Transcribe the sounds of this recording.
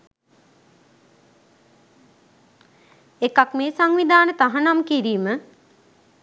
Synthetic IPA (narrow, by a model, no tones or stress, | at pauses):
ekakmeːsaŋʋid̪aːnət̪aɦanamkiɾiːmə